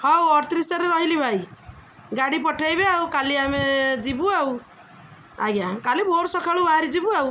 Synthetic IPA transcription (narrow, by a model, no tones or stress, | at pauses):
hɔwɔɾt̪ɾisaɾeɾɔɦilibʱaj | ɡaɽipɔʈʰajbeawkaliamed͡ʒibuaw | a̰ɡakalibʱoɾsɔkʰaɭubaɾid͡ʒibuaw